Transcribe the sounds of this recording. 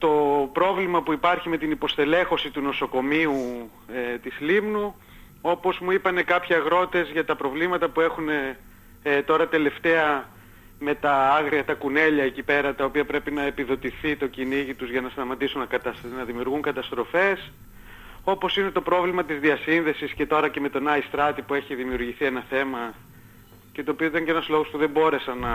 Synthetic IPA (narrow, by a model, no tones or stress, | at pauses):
t̪o̞pɾo̞vlimɐpuipɐɾçime̞t̪inipo̞st̪e̞le̞xo̞sit̪uno̞so̞ko̞miu | t̪islimnu | o̞po̞zmuipɐne̞kɐpçiɐɣɾo̞t̪e̞zʝɐt̪ɐpɾo̞vlimɐt̪ɐpue̞xune̞ | t̪o̞ɾɐt̪e̞le̞ft̪e̞ɐ | me̞t̪ɐɐɣɾiɐt̪ɐkune̞ʎɐecipe̞ɾɐt̪ɐopiɐpɾe̞pinɐe̞piðo̞t̪iθit̪o̞ciniʝit̪uzʝɐnɐst̪ɐmɐt̪isunɐkɐt̪ɐnɐðimiuɾɣuŋkɐt̪ɐst̪ɾo̞fe̞s | o̞po̞sine̞t̪o̞pɾo̞vlimɐt̪izðiɐsinðe̞sisce̞t̪o̞ɾɐce̞me̞t̪o̞nɐist̪ɾɐt̪ipue̞çiðimiuɾʝiθie̞nɐθe̞mɐ | ce̞t̪opioit̪ɐɲceenɐzlo̞ɣospuðe̞mbo̞ɾe̞sɐnɐ